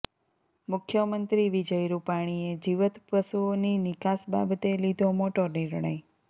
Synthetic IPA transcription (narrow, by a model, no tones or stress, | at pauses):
mʊkʰjəmənt̪ɾiʋid͡ʒəjɾupaɽ̃ied͡ʒiʋət̪pəsuoninɪkasba̰bt̪elid̪ʱomoʈoɾniɾɳəj